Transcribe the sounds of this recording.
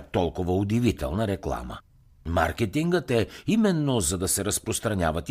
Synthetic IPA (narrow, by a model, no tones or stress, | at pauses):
t̪ɔlˠkʊvɐʊd̪ivit̪ɛ̰lˠnəɾɛklˠa̰mə̰ | ma̰ɾkɛt̪iŋɡət̪ɛimɛnːozɐd̪ɐsɛɾɐspɾost̪ɾɐnʲjavət̪